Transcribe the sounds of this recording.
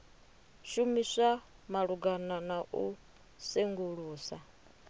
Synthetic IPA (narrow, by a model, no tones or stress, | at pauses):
ʃumisamaɺuɡananaʔu | seŋɡuɺuːsa